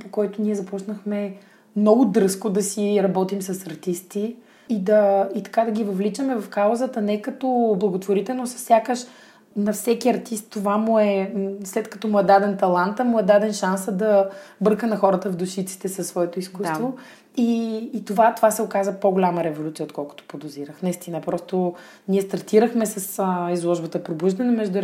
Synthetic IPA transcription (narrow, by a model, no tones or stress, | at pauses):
pokɔjt̪ʊnʲiɛzɐpɔt͡ʃnəxmɛ | mnɔɡʊd̪ɾɤskod̪ɐsiɾɐbɔt̪imsɐsɐɾt̪ist̪i | id̪ɐit̪ɐ̥kad̪ɐɡʲivɐvlit͡ʃəmɛvɐfkaʊzət̪ənɛkɐt̪ɔblˠɐɡot̪voɾit̪ɛlˠnosɐ̥ssjakəʃ | nɐfsɛkiɐɾt̪ist̪ːovamʊɛslɛt̪kɐ̥t̪ɔmuɛd̪ad̪ɛnt̪ɐlˠant̪əmʊɛd̪ad̪ɛnʃansəd̪ɐbɤɾkənɐxɔɾət̪əvd̪uʃit̪si̥t̪ɛsɐsːvɔɛt̪oiskust̪vo | iːt̪ovat̪ovasɛokazvəpoɡolʲaməɾɛvolʲut̪sijəot̪̚kɔlˠkʊ̥t̪o̥pod̪oziɾəxnɐist̪inəpɾɔst̪o | niɛst̪ɐɾt̪iɾəxmɛsɐsəizlˠɔʒbət̪əpɾobuʒd̪ɐnɛmɛʒd̪uɾ